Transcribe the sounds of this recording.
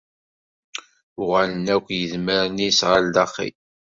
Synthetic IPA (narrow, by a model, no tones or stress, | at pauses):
ʊʁælənækʷjəðməɾnisʁald̪ɑχḭ